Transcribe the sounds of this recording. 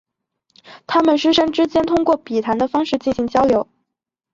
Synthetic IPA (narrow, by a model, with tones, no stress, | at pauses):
t̪ʰa˥mə˨nʂɻ̩˥ʂɤ˥ŋʈ͡ʂɻ̩˥t͡ɕjɛ˥nt̪ʰʊ˥ŋkwɔ˥˩pi˨˩t̪ʰa˧˥nd̪ə˧fɑ˥ŋʂɻ̩˥˧t͡ɕi˥˩nɕi˧˥ŋt͡ɕjɑ˥ʊljo˧˥ʊ